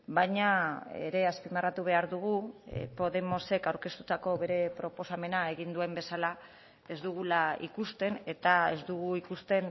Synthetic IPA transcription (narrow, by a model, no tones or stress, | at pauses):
bajɲaḛɾe̞aspimarat̪uβ̞e̞aɾðuɣupo̞ðe̞mo̞se̞kawɾke̞st̪ut̪ako̞βe̞ɾe̞pɾo̞po̞same̞naeɣind̪ue̞mbe̞sala | e̞zd̪uɣ̞ulaḭkust̪e̞ne̞t̪ae̞zd̪uɣ̞uikust̪e̞n